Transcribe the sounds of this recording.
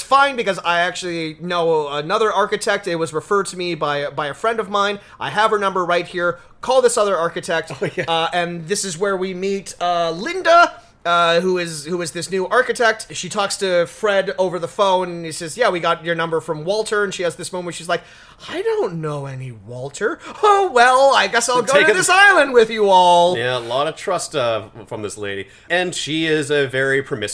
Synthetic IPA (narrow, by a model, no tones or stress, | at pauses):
sfãɪ̃nbɨkʌzaɪæk̚t͡ʃʉl̩ˠinoʊənʌðə˞ɑɹkɨtʰɛk̚tɨt̚wʌzɹɨfɜ˞d̚tʰɨmibaɪbaɪɨfɹɛ̃ndʌvmãɪ̃n | ʔa̰ɪəv̥ə˞nʌ̃mbə˞ɹaɪt̚hiɹ | kʰɔlˠðɪsʌðə˞ɑɹkɨtʰɛk̚tɨ̃nðɪsɨzwə˞wimitʌlɪ̃ndə | ʌhuɪzhuɨzðɪsnʉʔɑɹkɨtʰɛk̚tʃitʰɔkstʰɨfɹɛɾoʊvə˞ðəfõʊ̃nisɛzjæwiɡɑt͡ʃ̚ə˞nʌ̃mbə˞fɹʌ̃mwɔlˠtʰə˞ɨ̃nʃiɨzðɪsmõʊmɨ̃nʃizlaɪk̚ | aɪdõʊ̃nːoʊɛniwɔlˠtʰə˞oʊwɛlˠaɪɡɛsaɪlˠɡoʊɪɾɨðɪsaɪlˠə̃nd̚wɪðjɨɔlˠjæəlɔɾʌv̥tʰɹ̥ʌstʌfɹʌ̃mðɪslḛɪɾḭ | ɨ̃nʃiɪzɨvɛɹipʰɹ̥əmɪs